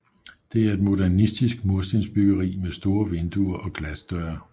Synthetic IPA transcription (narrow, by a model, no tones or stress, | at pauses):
d̥e̝æɐe̝d̥mo̝d̥æɐnisd̥isɡ̥moɐsd̥ensb̥yɡ̥ɐʁḭːmesd̥o̝ːɐʋend̥uɐʔɒ̽ɡ̥læsd̥œɐɐ